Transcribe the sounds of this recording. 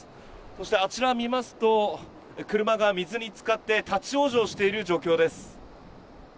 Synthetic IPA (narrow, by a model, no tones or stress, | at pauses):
so̞ɕi̥t̪e̞at͡ɕiɾamʲimasɨ̥t̪o̞ | kɯ̟ɾɯ̟maɡamʲizɨɲ̟it͡sɨ̥kat̪ːe̞t̪at͡ɕio̞ːʑo̞ːɕi̥t̪e̞iɾɯ̟ʑo̞ːkʲo̞ːd̪e̞sɨ̥